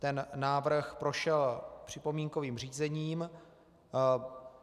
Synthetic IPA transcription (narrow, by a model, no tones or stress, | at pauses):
t̪ɛnːaːvr̩xpɾo̞ʃɛlpr̝̥ɪpo̞miːŋko̞viːmr̝iːzɛɲiːm